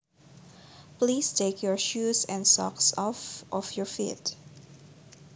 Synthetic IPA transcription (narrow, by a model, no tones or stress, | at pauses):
plistʰekʰjɔɹʃusɛ̃nsɔ̰ksɔfʔɔfjɔfḭt